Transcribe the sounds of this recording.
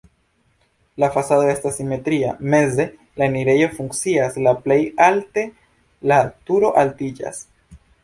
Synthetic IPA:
lafasado̞e̞stasːime̞tɾiame̞ze̞ | laeniɾe̞jo̞fuŋkt͡siaslaple̞jalte̞ | latuɾo̞ʔaltid͡ʒa̰s

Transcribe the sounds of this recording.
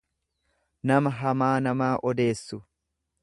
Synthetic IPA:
nɐmɐɦɐmaːnɐmaːʔɔd̪e̞ːsːʊ

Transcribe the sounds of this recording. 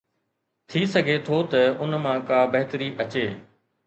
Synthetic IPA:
t̪ʰisɐɡʱet̪ʰot̪ɐʊnmãːkaːbɐɦɪt̪əɾiʔɐt͡ɕeː

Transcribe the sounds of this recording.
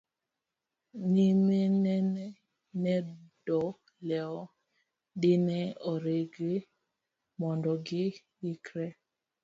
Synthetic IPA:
nimenɛnɛ | nɛdɔ | lɛɔ | dɪnɛɔɾeɡe | mɔndɔɡɪ | ɪkɾɛ

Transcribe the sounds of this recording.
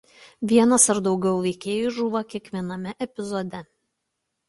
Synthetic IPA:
ʋʲiɛnɐsɐɾd̪ɒʊɡʲɛʊʋʲɛɪkʲeːjuʒuːʋɐkʲiɛkʋʲiɛnɐmʲɛʔɛpʲɪzɔd̪ʲɛ

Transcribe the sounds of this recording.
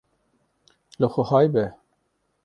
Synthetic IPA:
ləxʷʊhɑːjbɛ

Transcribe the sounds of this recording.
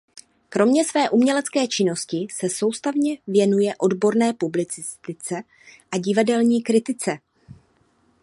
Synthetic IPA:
kɾo̞mɲɛsvɛːʔumɲɛlɛt͡skɛːt͡ʃɪno̞scɪsɛso̞wst̪avɲɛvjɛnujɛʔo̞dbo̞ɾnɛːpublɪt͡sɪst̪ɪt͡sɛ | ʔaɟɪvadɛlɲiːkɾɪt̪ɪt͡sɛ

